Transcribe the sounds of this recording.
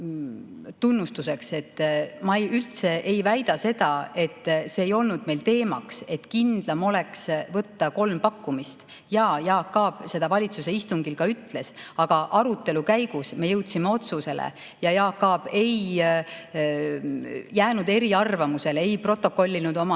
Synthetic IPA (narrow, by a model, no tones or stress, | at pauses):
t̪unːust̪use̞kse̞t̪ːmɑejylt̪se̞ʔe̞jvæjd̪̥ɑse̞d̪̥ɑe̞t̪ːse̞ːjo̞lnud̪̥me̞jlt̪e̞ːmɑ̰kse̞t̪ːˑkind̪̥lɑmo̞le̞ksvɤt̪ːɑko̞lmpɑkːumist̪ | jɑːjɑːkːɑːb̥se̞d̪̥ɑvɑlʲit̪suse̞ist̪uŋɡ̥ilkɑyt̪ːˑle̞sɑɡ̥ɑʔɑɾut̪ːˑe̞lukæjɡ̥usme̞jɤwt̪simeo̞t̪suse̞lḛ | jɑjɑːkːɑːb̥e̞j | jæːnud̪e̞ɾiɑrvɑmuse̞lee̞jpro̞t̪ːˑo̞kːo̞lʲːinud̪o̞mɑ